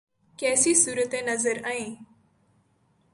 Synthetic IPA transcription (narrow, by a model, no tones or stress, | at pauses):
kɛːsiːsuːɾət̪enəzəɾaẽː